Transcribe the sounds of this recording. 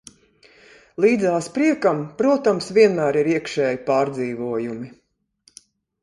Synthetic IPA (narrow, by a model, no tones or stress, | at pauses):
lˠiːd̪zaːspɾiɛkampɾuɔt̪amsʋʲiɛnmæːɾiɾiɛkʃɛːjipaːɾd̪ziːvuɔjumi